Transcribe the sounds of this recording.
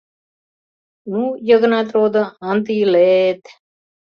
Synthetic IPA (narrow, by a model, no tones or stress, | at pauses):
nujəɡnat̪ɾoːd̪əant̪ilet̪